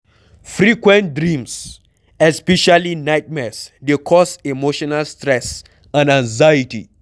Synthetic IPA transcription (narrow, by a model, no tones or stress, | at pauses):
fɾikwɛ̃ntdɾĩms | ɛspɛʃalinajt̚mɛsdekʰɔsemoʃɔnalstɾɛs | ãnãŋzajitḭ